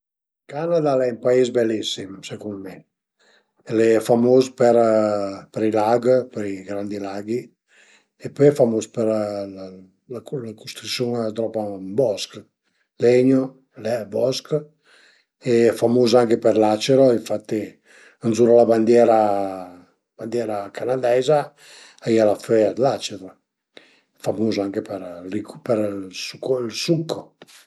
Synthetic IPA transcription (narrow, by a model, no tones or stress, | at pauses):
kanad̪alɛimpaizbɛlːisimsekunmɛ | ɛlɛɛfamoːspɛɾpɛɾilaɡpəɾiɡɾand̪ilaɡi | epɔjɛfamospəɾ | lalakust̪ɾusjuŋat̪ɾɔpammbɔsk | lɛɲo | lɛbɔsk | efamuzaŋkepɛɾlat͡ʃeɾoiɱfat̪ːi | ənzuɾalaband̪jɛɾa | b̥and̪jɛɾakʰanad̪ɛza | ajalafɛad̪lat͡ʃeɾo | famuzaŋkepɛɾlikpɛɾsukilsukːɔ